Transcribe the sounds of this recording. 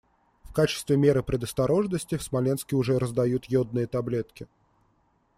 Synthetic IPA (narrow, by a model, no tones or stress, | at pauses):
fkat͡ɕɪ̥st̪vʲɪmʲe̞ɾɨpɾʲɪd̪əst̪ɐɾo̞ʐnəsʲtʲɪfsmɐlʲenskʲɪʊʐɛɾəzd̪ɐjut̪jod̪̚nɨjət̪ɐblʲet̪kʲɪ